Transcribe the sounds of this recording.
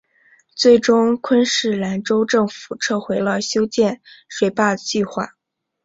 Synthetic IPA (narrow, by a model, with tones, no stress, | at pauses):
t͡swe˥˩ɪʈ͡ʂʊ˥ŋkʰwə˥nʂɻ̩˥˩la˧˥nʈ͡ʂo˥ʊʈ͡ʂɤ˥˩ŋfu̥˨˩ʈ͡ʂʰɤ˥˩xwe˧˥ɪlə˧˩ɕjo˥ʊt͡ɕjɛ˥˩nʂwe˨˩ɪpa˥˩d̪ət͡ɕi˥˧xwa̰˥˩